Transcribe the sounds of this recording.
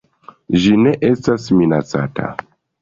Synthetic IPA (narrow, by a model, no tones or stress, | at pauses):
ʒine̞ʔe̞stasminat͡sa̰tʰa̰